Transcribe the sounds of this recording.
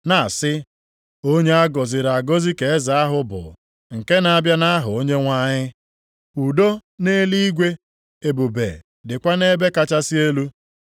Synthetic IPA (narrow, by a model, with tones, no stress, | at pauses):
na˨sɪ˦ | o˦ɲe˦a˦ɡɔ˨zɪ˨ɾa˨ɡo˦zi˦ke˨e˦za˨a˦ɦʊ˦bʊ̰˨ | ŋ̩˨ke˦na˨˦bja˦na˦a˦ɦʊ˨o˦ɲe˦ŋʷa˦ɲɪ˦ | u˨do˦ne˦li˦i˦ɡʷe˦ | e˨bu˨bḛ˨ | dɪ˨kʷa˦ne˦be˦ka˦t͡ʃa˦si˦e˦lu˦